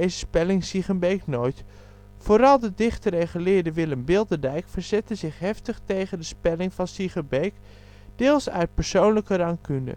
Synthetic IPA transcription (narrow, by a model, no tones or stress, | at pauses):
ejzəspɛlɪŋsiχənbejknojt | foːɾɑlˠdədɪχtərejχəlɪːɹdəʋɪləmbɪlˠdədɛjkfəɹz̥ɛtənzɪχɦɛftəχtejχəndəspɛlɪŋvɑnsiχənbejk | d̥ɪːlˠsœ̰ɥt̚pəɹsownləkərɑŋkyndə̰